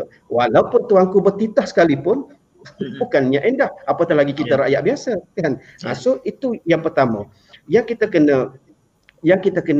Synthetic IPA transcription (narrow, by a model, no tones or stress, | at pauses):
walaupʊnt̪uaŋkubərt̪it̪ahsə̥kalipʊn | bukanɲaʔendahapat̪alaɡikit̪aɾa̰ʔjaʔbiasakan | ʔasoit̪ujaŋpərt̪ama | jaŋkit̪akənã | jaŋkit̪akən